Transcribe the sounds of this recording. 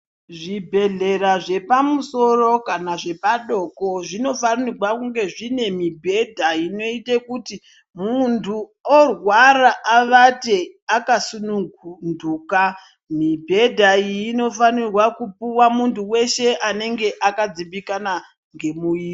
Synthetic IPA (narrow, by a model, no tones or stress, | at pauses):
ʐibʱe̞ɮe̞ɾaʐe̞pamuso̞ro̞kanaʐe̞paɗo̞ko̞ʐino̞fanirwakuŋɡe̞ʐine̞mibʱe̞dʱaino̞itekuti | muntʰuorwaraʔːʋate̞akasunuɡunduːka | mibʱe̞dʱaijːno̞fanirwakupuwamuntʰuwe̞ʃe̞ʔane̞ŋɡe̞ʔakad͡ziɓikana | ŋɡe̞muiː